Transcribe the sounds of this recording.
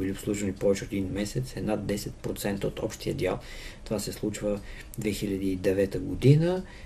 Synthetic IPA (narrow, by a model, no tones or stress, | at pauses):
biliopslˠuʒvənipɔvɛt͡ʃɛot̪d̪inmɛsɛt̪sɛd̪nad̪ːɛsɛt̪̚pɾot̪sɛnt̪əot̪ʰɔpʃt̪iə̰d̪ʲja̰lˠt̪ovasɛslˠut͡ʃvə | d̪vɛxilʲɐd̪iːd̪ɛvɛt̪əɡod̪inə